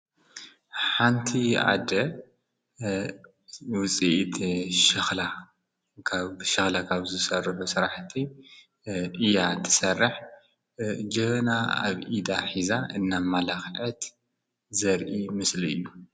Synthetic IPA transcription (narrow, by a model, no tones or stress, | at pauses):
ħant̪ʰiʔa̰d̪ɐ | wʊt͡sʼiʔt̪ʃɨxla | kʰaβʃɨxlakʰaβzɨsɐrɨħusɨɾaħt̪ʰi | ʔɨjat̪ʰɨ̥sɐrːɨħ | d͡ʒɐβɐnaa̰βʔid̪aħizaɨnːamalaxʕɐt̪ | zɐɾʔimɨsliɨ̰jːu